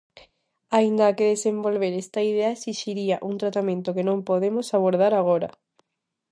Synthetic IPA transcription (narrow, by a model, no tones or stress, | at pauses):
aind̪aːkeðesembolβeɾest̪aiðeaesiʃiɾiaʔunt̪ɾat̪amẽnt̪okenõmpoðemosaβ̞oɾð̞aɾaɣ̞oɾɐ̰